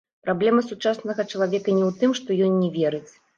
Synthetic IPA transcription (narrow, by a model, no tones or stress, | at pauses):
pɾablʲɛmɐsut͡ʂasnɐɣɐt͡ʂɐlˠavʲɛkɐnʲɛwt̪ɨmʂt̪ɔjɔnːʲɛvʲɛɾɨt͡sʲ